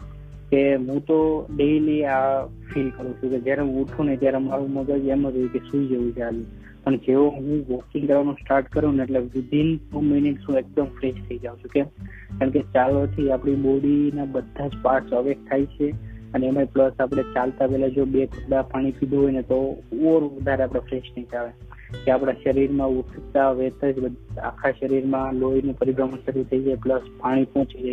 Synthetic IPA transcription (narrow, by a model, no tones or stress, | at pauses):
keɦũt̪oɖeliafʰilkəɾũt͡ʃʰũked͡ʒjaɾeɦũːʈʰũnet̪jaɾemaɾũməɡəd͡ʒeməɾoukeʃũd͡ʒeʋũt͡ʃaljũ | pəɳd͡ʒeoɦũʋɔkĩŋkəɾʋanũsʈaɾʈkəɾũneeʈleʋɪd̪ʱinuməniksũek̚d̪əmfɾeʃt̪ʰəid͡ʒaũt͡ʃʰũke | kaɳket͡ʃalot̪ʰiapɽ̃iɓoɽinabəd̪ʱːad͡ʒpaɾʈsəʋek̚t̪ʰait͡ʃʰeəneemepləsapɽ̃et͡ʃalt̪apɛɦlad͡ʒobekʰʊpɽapaɽ̃ipid̪ʱuɦojnet̪ooɾʋəd̪ʱaɾeapɽ̃efɾeʃnəĩt͡ʃaʋe | keapɽ̃aʃəɾiɾmãut̪ʰt̪aʋet̪əd͡ʒbəd̪a̰kʰaʃəɾiɾmãloinũpəɾiɡɾəməɳʃəɾut̪ʰəid͡ʒajpləspaɽ̃ipɔ̃t͡ʃid͡ʒa